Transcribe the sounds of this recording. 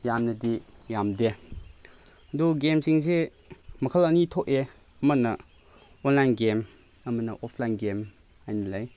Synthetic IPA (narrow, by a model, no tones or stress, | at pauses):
jamnɐdijamde | ɐduɡemsiŋse | mɐkʰəlɐnitʰoʔe | mɐnːɐ | ɔnlajnɡem | ɐmɐnɐʔɔpʰlajnɡem | ajnɐlaj